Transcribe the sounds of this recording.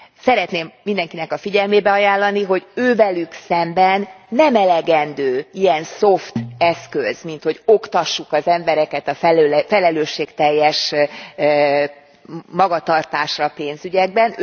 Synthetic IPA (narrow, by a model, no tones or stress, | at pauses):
sɛɾɛt̪neːmːind̪ɛŋkinɛkɒfiɟɛlmeːbɛɒjaːlːɒniɦo̞ɟøːvɛlyksɛmbɛnːɛmɛlɛɡɛnd̪øːijɛnso̞ft̪ɛskøzmint̪ho̞ɟo̞kt̪ɒʃːukɒzɛmbɛɾɛkɛt̪ɒfɛfɛlɛløːʃːeːkt̪ɛjːɛʃ | mɒɡɒt̪ɒrt̪aːʃrɒpeːnzyɟɛɡ̚bɛn